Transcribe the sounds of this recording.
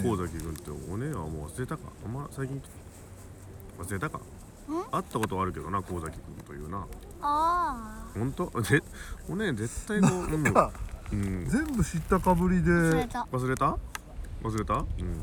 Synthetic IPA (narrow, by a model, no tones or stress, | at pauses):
ko̞ːzakʲikɯ̟̃nt̪ːḛoneβa̰moːβa̰sɨɾe̞t̪aka̰a̰mːasaikʲĩŋ | βasɨɾe̞t̪aka̰ | at̪ːako̞t̪oaɾɯ̟ke̞d̪o̞nako̞ːzakʲikɯ̟̰̃nt̪o̞jɯ̟ːna | a | hõ̞nt̪o̞ze | one̞ze̞t̪ːainõnaɯ̟̃ɴzẽ̞mbɯ̟ɕit̪ːakabɯ̟ɾʲid̪e̞aβas̬ɨɾe̞t̪a | βas̬ɨɾe̞t̪aɯ̟̃ɴ